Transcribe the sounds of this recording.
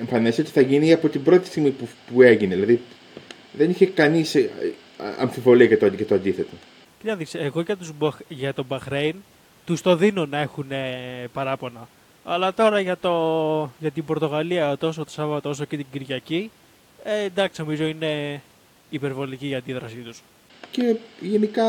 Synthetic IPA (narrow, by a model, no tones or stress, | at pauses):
eɱfɐnisiot̪iθɐʝiniɐpo̞t̪ibɾo̞t̪i̥st̪iɣmipupueʝineðilɐði | ðe̞niçekɐnis | ɐ̰ɱfivo̞liɐkɐt̪oʝɐt̪oɐnd̪iθe̞t̪o | cit̪ɐðiseɣo̞ʝɐt̪uzbʝɐt̪o̞bɐxɾejn | t̪ust̪o̞ðino̞nɐe̞xune̞pɐɾɐpo̞nɐ | ɐlɐt̪o̞ɾɐʝɐt̪o̞ʝɐt̪imbo̞ɾt̪o̞ɣɐliɐot̪o̞sot̪osɐvɐt̪oos̬o̞cet̪iɟiɾʝɐci | end̪ɐksinomizo̞ine̞ | ipe̞ɾvo̞liciːɐnd̪iðɾɐsit̪us | ce̞ʝe̞nikɐ